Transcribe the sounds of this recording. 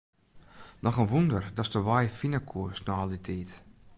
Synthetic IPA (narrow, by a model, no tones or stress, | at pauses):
nɔxənʋundərdɔstəʋajfinəkʰuəsnɔɔlˠditʰiːt